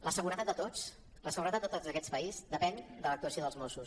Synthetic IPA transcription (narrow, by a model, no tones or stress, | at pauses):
ləsəɣuɾət̪at̪d̪̚ət̪ot͡s | ləsəɣuɾət̪at̪ət̪ozðəkɛt͡spəizd̪əpɛnd̪ələk̚t̪uəsioðəlˠzmɔsus